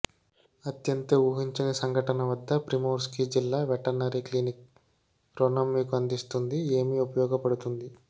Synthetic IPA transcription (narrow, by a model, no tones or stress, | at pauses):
ɐt̪jɐnt̪ɐuːɦiɲt͡ʃɐnɐsɐŋɡʱɐʈɐnɐʋɐd̪ːɐpɾimoːɾskid͡ʒilːaːʋɛʈɐɾnɐɾiklinik̚ | ɾonɐmːiːkuɐnd̪ist̪und̪ie̞ːmiupɐjɔːɡɐpɐɽut̪und̪i